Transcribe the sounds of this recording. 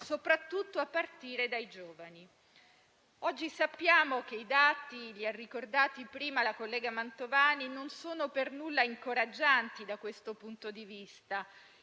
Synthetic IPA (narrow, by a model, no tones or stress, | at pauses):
sopɾat̪ːut̪ːoapːart̪iːɾed̪aid͡ʒoːvani | ɔd͡ʒːisapːjaːmok̟eid̪aːt̪iʎiarːikord̪aːt̪ipɾiːmalakolːɛːɡamant̪ovaːninonsoːnopernulːaiŋkoɾad͡ʒːant̪id̪akwest̪opunt̪od̪ivist̪a